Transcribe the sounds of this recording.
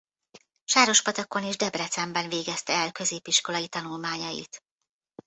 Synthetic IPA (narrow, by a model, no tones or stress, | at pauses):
ʃaːɾo̞ʃpɒt̪ɒko̞niʒd̪ɛbrɛt̪sɛmbɛnveːɡɛst̪ɛːlkø̞zeːpiʃko̞lɒjit̪ɒnulmaːɲɒjḭt̪